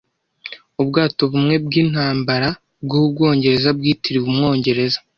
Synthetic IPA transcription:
ubɡaːto̞βumŋe̞b̚ɡiːn̥haːmbaɾa | bɡubɡo̞ːɲɟe̞ɾe̞zabɡiːtiɾiβumŋo̞ːɲɟe̞ɾe̞zḁ

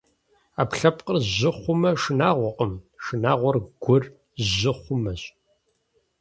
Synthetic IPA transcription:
apɬɐpqərʑɪχʷʊmɐʂɨnaːʁʷɔqəmʂɨnaːʁʷɔrɡʷʊr | ʑɪχʷʊmɐɕʼ

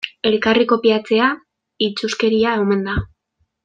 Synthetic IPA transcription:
e̞lkariko̞piat͡se̞a | it͡suske̞ɾiaewme̞nd̪a

